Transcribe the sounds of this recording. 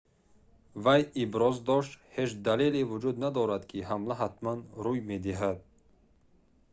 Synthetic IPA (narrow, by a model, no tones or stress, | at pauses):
vajibɾɔzd̪ɔʃt̪he̞d͡ʒd̪alelevud͡ʒud̪nad̪ɔɾad̪kʰiɦamlaɦat̪manɾujmed̪iɦad̪̚